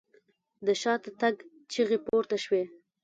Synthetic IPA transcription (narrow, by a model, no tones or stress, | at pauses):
d̪əʃɑt̪t̪aɡ | t͡ʃiɣepoɾt̪aʃwe